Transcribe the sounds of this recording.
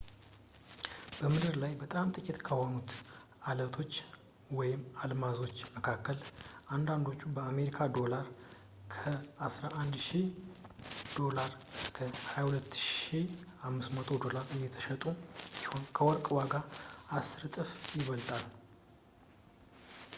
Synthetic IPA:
b̥əmɨd̪ɨɾlajbət̪ʼamt̪ʼɨkʼit̪kʰəhonut̪ | alət̪ʰo̞t͡ʃː | wɔjɪmalmazo̞t͡ʃːməkʰakːəlʔand̪and̪o̞t͡ʃːubəame̞ɾikʰad̪o̞laɾ | kʰəasɾaʔand̪ʃi | d̪̥o̞laɾ | ɨskʰəhajahulət̪ːʃihamːɨsmət̪ʰo̞d̪o̞laɾɨjːɛt̪ʰə̥ʃət̪ʼusi̥ho̞nkʰəwɔɾkʼwaɡaasɨɾt̪ʼɨfjɪβəlt̪ʼal

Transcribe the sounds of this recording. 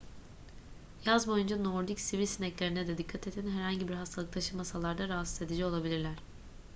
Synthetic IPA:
jazmojund͡ʒanoɾd̪icsivilʲsinɛclʲeɾinɛd̪ɛd̪ikʰːat̪ʰe̞t̪ʰinɦæɾhaɲɟibiɾɦast̪ʰalˠɯk̚t̪ʰaʃɯmasalˠaɾd̪aɾaɦsɯ̥ze̞d̪id͡ʒɛo̞lˠabilʲiɾlʲæɾ̝̥

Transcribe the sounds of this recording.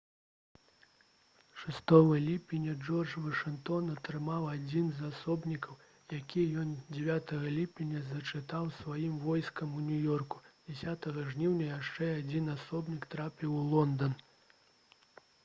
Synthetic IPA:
ʂɨst̪ɔvɨlʲipʲinʲɐd͡ʐɔrd͡ʐvɐʂɨnkt̪ɔnɐt̪ɾɨmawad͡zʲinzasɔbnʲikɐw | jakʲijɔnd͡zʲɛvʲat̪ɐɣɐlʲipʲinʲɐzɐt͡ʂɨt̪awsvajimvɔjskɐmunʲujɔrku̥d͡zʲɛsʲat̪ɐɣɐʐnʲiwnʲɐjaʂt͡ʂɛad͡zʲinasɔbnʲikt̪ɾapʲiwlˠɔnd̪ɐn

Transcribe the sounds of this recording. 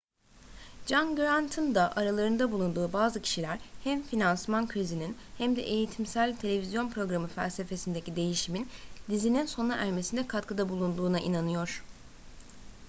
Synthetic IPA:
d͡ʒanɡɾant̪ʰɯnd̪aʔaɾalˠaɾɯnd̪abulˠund̪uːbaːzɯcʰi̥ʃilʲæɾhæmfinansmankʰɾizininhæmd̪ɛ̰ʔejit̪ʰimsælʲt̪ʰe̞lʲe̞vizjo̞npʰɾo̞ɡɾamɯfæ̰lʲse̞fe̞sind̪e̞cid̪e̞jiʃimind̪izininso̞naʔæɾme̞sind̪ɛkʰat̪kʰɯd̪abulˠund̪uːnaʔinanɯjo̞ɾ̥

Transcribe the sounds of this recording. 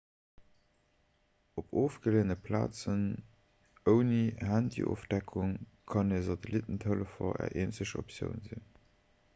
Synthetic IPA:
opoːfɡ̥əleːnəpʰla̰ːt͡sən | əʊnihændḭʔo̰ːfd̥ækʰuŋ | kʰɑneːzɑtʰelitəntʰələfɐ̰ʔæ̰ːɐʔeːnsəɕo̰psjə̰ʊnzḭn

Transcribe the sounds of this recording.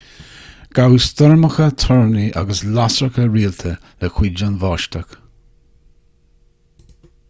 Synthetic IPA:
ɡ̥awstɔɹməxət̪ʰɔɹniʔa̰ɡəslasɹəkəɹiːlt̪ʰə | ləkwid͡ʒanvɑːʃtək

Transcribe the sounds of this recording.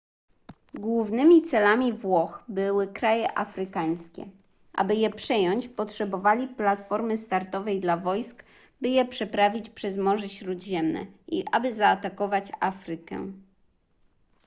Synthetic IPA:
ɡwuvnɘmʲit̪sɛlamʲivwɔxbɘwɘkɾajɛʔafɾɘkaɲ̃skʲɛ̰ | ʔa̰bɘjɛpʂɛjɔɲt͡ɕpɔtʂɛbɔvalʲiplat̪fɔɾmɘst̪aɾt̪ɔvɛjd̪lavɔjsk | bɘjɛpʂɛpɾavʲit͡ɕpʂɛzmɔʐɛɕɾud̪ʑɛmnɛ̰iʔabɘzaːt̪akɔvat͡ɕafɾɘkɛ̰

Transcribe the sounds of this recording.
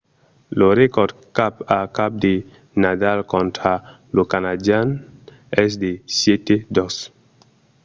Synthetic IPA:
loɾekɔɾd̪kapakap̚d̪e | nadalkõnt̪ɾa | lokanad͡ʒan | ɛs̬d̪esjet̪ed̪ɔs

